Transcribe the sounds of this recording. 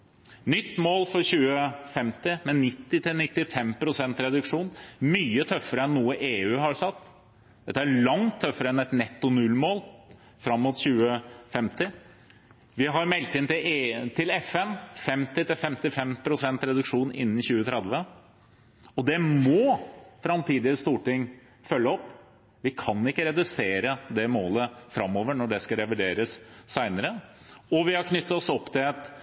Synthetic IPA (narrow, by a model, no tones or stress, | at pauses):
nʏt̪ːmoːlfɔɾçʉːəfɛmt̪ɪmɛnːɪt̪ːɪt̪ʰɪlnɪt̪ːɪfɛmpʰɾʊsɛnt̪ɾɛd̪ʉkʂuːnmyːət̪ʰœfːəɾəɛnːuːəʔeːʉːɦɑɾsɑt̪ː | d̪ɛt̪ːəæɾɭɑŋt̪ʰːœfːəɾəɛnɛt̪nɛt̪ːʊnʉlmoːl | fɾɑmːʊːt̪çʉːəfɛmt̪ɪ | ʋɪɦɑɾmɛlt̪ɪnt̪ɪt̪ʰɪlɛfɛnfɛmt̪ɪt̪ɪlfɛmt̪ɪfɛmpʰɾʊsɛnt̪ɾɛd̪ʉkʂuːnɪ̰nːn̩çʉːət̪ʰɾɛd̪ʋə | ɔd̪ɛmɔfɾɑmt̪ʰiːd̪ɪəst̪uːʈɪŋː | fœlːəɔpː | ʋɪkʰɑnɪkːəɾɛd̪ʉseːɾəd̪ɛmoːləfɾɑmːoːʋəɳɔɖɛskɑɾɛʋɪɖeːɾəsːæɪnəɾə | ɔʋɪhɑɾkʰnʏt̪ːɑɔsɔpːt̪ʰɪlɛt̪